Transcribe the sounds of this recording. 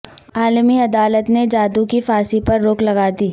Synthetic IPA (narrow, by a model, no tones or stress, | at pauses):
aːlmiɐd̪aːlət̪ned͡ʒaːd̪ukifaːsipɐɾːoːklɐɡaːd̪iː